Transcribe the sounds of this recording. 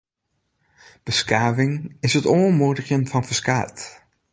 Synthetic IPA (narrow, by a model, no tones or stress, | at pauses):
b̥əskaːvɪŋɪsɦətɔəmudəχjənfɑnfəskaːt